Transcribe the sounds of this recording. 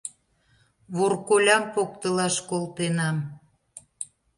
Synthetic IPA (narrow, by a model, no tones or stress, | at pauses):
βorkolʲɑmpok̚t̪əlɑʃkolt̪enɑm